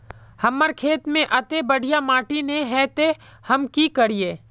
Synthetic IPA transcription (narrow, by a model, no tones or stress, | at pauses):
hɐmːəɾkʰeːt̪mẽʔɐt̪ebəɽ̤ʱijamaːʈineɦɛːt̪ehəmkikəɽ̤ijeː